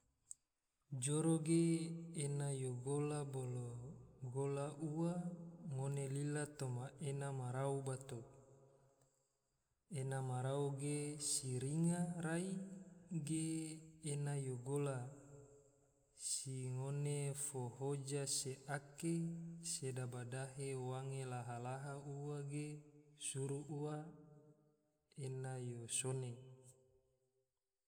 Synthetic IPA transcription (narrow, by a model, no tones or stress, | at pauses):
d͡ʒoɾoɡeenajoɡolaboloɡolaʔuwaŋonelilat̪omaʔenamaɾaubat̪o | enamaɾauɡesiɾiŋaɾaiɡeː | najoɡola | siŋonefohod͡ʒaseʔakesedabadaɦewaŋelaɦalaɦauwaɡesuɾuʔuwa | enajosone